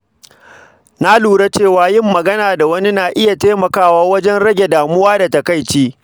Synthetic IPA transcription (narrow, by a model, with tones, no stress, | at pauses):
na˦luː˨ɽe˦t͡ʃeː˦˨waː˨˦jɪ˦mːɐ˨ɡɐ˦naː˨da˨wɐ˦ni˦naː˨ʔɪ˦ja˨teː˦mɐ˨kaː˦waː˦wɐ˦d͡ʒɛ˦nɽɐ˦ɡʲe˨daː˨mʊ˦waː˦da˨tɐ˨ka˦˨jt͡ʃiː˦